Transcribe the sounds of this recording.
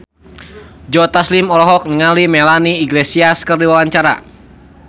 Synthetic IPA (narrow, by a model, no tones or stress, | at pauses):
d͡ʒɔt̪aslimɔlɔɦɔk̚nəŋalimɛlaniːɡlesiaskərdiwawaɲt͡ʃaɾa̰